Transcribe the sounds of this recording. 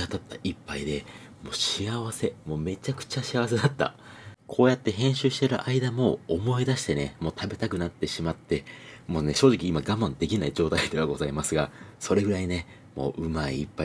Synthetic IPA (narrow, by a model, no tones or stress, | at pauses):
at̪at̪ːaʔipːaid̪e̞ | mo̞ːɕiaβase̞mo̞ːme̞t͡ɕakɯ̟̥t͡ɕaɕiaβas̬e̞d̪at̪ːa̰ | kʰo̞ːjat̪ːe̞ɦẽ̞ɰ̃ɕɨːɕi̥t̪e̞ɾɯ̟ʔaid̪amo̞ːmo̞id̪aɕi̥t̪e̞nemo̞ːt̪abe̞t̪akɯ̟nat̪ːe̞ɕimat̪ːe̞moːne̞ɕo̞ːʑikʲiːmaɡamːãnd̪e̞kʲinaid͡ʑo̞ːt̪aid̪e̞βaɡo̞zaimasɨɡaso̞ɾe̞ɡɯ̟ɾaine̞ | mo̞̰ːʔɯ̟maḭːpːa